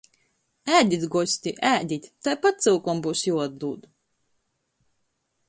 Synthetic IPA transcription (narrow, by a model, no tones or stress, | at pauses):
æːd̪ʲit̪ɡɔsʲt̪ʲiʔæːd̪ʲit̪ʲt̪ajpat̪̚t̪sɨwkɔmbuːsjuːad̪̚d̪uːd̪u